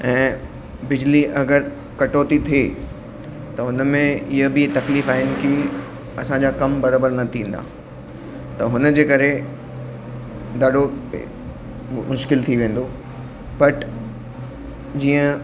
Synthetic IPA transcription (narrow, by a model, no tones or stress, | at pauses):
ɛ̃ː | bɪd͡ʑliʔɐɡəɾ | kɐʈoːt̪it̪ʰe | t̪ɐɦʊnəmẽɪɦəbɪt̪ɐkliːfaːɪnɪ̆ki | ɐsãɲd͡ʑaːkɐmbɐɾaːbəɾnɐt̪ʰĩːn̆d̪a̰ː | t̪ɐɦʊnə̆d͡ʑeːkɐɾe | d̪aːɗo̰ | mʊʃkɪlt̪ʰiʋẽːn̆d̪o | bɐʈ | d͡ʑiːə̃